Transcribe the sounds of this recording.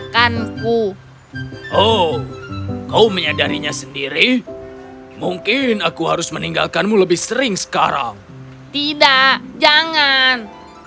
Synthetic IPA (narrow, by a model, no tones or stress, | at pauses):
kanku | ʔo | kauməɲadaɾiɲasəndiɾi | muŋkɪnakuɦaɾʊsməniŋɡa̰lkanmuləbɪhsəɾɪŋsə̥kaɾa̰ŋ | t̪idaʔd͡ʒaŋan